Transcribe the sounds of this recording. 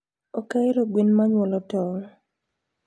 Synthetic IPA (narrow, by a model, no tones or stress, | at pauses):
ɔkaɪɾɔɡwinmaɲwɔlɔtɔŋ